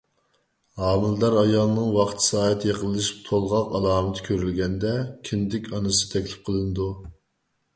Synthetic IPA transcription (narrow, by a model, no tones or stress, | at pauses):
hɑːmɪld̪ɑɾɑjɑlˠnɨŋwɑχt̪ʰsɑːɦɛt̪ʰijeqəlˠːɨʃi̥p̚t̪ʰolˠʁɑqɑlˠɑːmɨt̪ʰɪ̥kʲʰøɾylɡʲɛnd̪ɛkʲʰind̪ɪkʲʰɑnɨsɨ̥t̪ʰɛkʲlɪp̚qʰəlˠɨnɨd̪u